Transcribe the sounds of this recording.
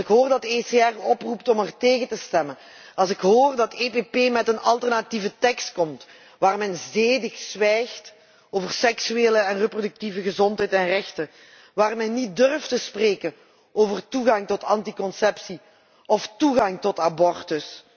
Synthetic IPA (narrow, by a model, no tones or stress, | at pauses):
ɪkɦoːrdɑteseɛrɔpruptɔmərteːɣətəstɛmən | ɑlˠsɪkɦoːrdɑtepepeːmɛtənɑlˠtərnativətɛkst̚kɔmt | ʋaːrmɛnzeːdɪxsʋɛjxt | oːvərsɛksyeːləɛnrəprodʏk̚tivəɣəzɔntɦɛjtɛnrɛxtə | ʋaːrmɛnːit̚dɵrftəspreːkən | ʔoːvərtuɣɑŋtɔtɑntikɔnsɛpsi | ɔftuɣɑŋtɔtabɔrtəs